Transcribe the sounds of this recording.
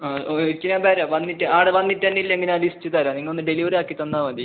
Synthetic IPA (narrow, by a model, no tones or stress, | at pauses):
aːt͡ɕːinaːmbɐɾaːʋɐnːiʈːɨaːɽɨʋɐnːiʈːɐnːilːeŋɡilaːlistːɨt̪ɐɾaːniŋːɐɭonːɨɖeliʋɐɾaːkːit̪ɐnːaːʋɐnd̪i